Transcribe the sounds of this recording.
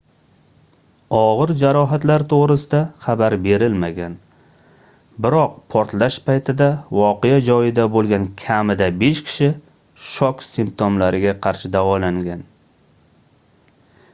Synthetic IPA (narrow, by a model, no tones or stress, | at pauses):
ɒʁɨɾd͡ʒaɾɒɦat̪laɾt̪ʰoʁɾɪsɪd̪aχabaɾbe̞ɾɪlmaɡʲan | bɪɾɒq̚pʰɒɾt̪laʃpajt̪ʰɪd̪avɒqejad͡ʒɒjɪd̪abolˠɡʲankʲʰamɪd̪abe̞ʃkʲʰɪ̥ʃɪ | ʃɒksimp̚t̪ʰomlaɾɪɡʲaqʰɑɾʃɪd̪avɒlaŋɡʲan